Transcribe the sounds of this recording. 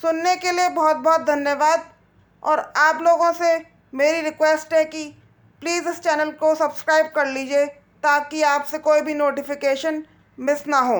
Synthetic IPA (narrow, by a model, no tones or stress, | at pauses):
sʊnːekeliebɔːt̪̚bɔːt̪̚d̪ʱɐnjəʋaːd̪̚ | ɔ̰ːɾaːploːɡõse | meːɾiɾɪkwɛːsʈɦɛki | pliːzɪst͡ʃɛːnəlkosɐbskɾaːɪb̚kɐɾliːd͡ʒie | t̪aːkiaːpsekoːibʱinoːʈɪfɪkeːʃən | mɪsnaɦoː